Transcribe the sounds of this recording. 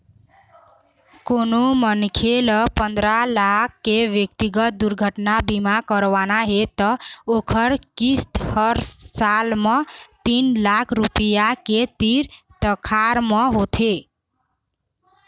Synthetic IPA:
konomənkʰeləpənd̪ɾalakʰːeʋjəkt̪iɡət̪̚d̪uɾɡʱəʈnabimakəɾʋanaɦet̪ʌokʰəɾkist̪hʌɾsalmʌt̪inlakʰɾupijaket̪iɾt̪əkʰaɾmʌɦot̪ʰe

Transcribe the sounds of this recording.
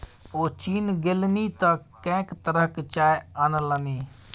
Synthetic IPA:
oːt͡ʃiːnɡelnit̪əkɛ̃ːkt̪əɾəɦkt͡ʃaːjənələniː

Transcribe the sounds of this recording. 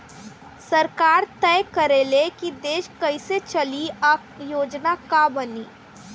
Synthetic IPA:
sɐɾkaːɾt̪ɛːjkəɾelekid̪eːʃkɐiset͡ʃɐlia | joːd͡ʒnakabəniː

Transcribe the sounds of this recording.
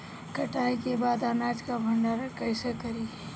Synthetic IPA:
kɐʈaːikebaːd̪aːnaːd͡ʒkabʱɐɳɖaɾkəɪsekəɾi

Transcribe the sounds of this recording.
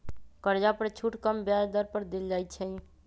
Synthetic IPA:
kəɾd͡ʒapəɾt͡ʃʰuʈkəmbjad̪əɾpəɾd̪eld͡ʒajt̪t͡ʃʰə̃

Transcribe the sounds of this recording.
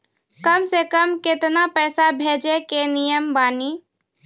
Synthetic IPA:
kəmsekəmkɪt̪napɛːsabʱeːd͡ʒekenijəmbaːniː

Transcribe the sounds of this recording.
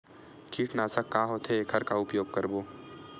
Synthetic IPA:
kʰiːʈʰnaːsakːãːɦoːt̪ʰeeːkɦɐɾkaʊpjoːɡ̚kɐɾboː

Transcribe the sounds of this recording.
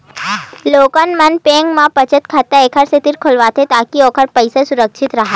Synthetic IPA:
loːkənmənpẽːŋɡmãpət͡ʃət̪kʰat̪aeːkʰəɾset̪iɾkʰolʋaːt̪ʰet̪aːkioːkʰəɾpɐɪsesʊɾəkʃʰɪt̪ɾɐɦa

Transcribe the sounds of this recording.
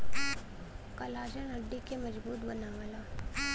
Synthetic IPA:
kɐlaːd͡ʒənɐɖːikemɐd͡ʒbuːt̪bɐnaʋalaː

